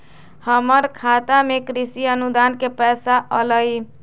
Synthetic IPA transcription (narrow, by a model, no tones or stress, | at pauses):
həməɾkʰat̪amekɾisiənud̪ankepɛsaʔələj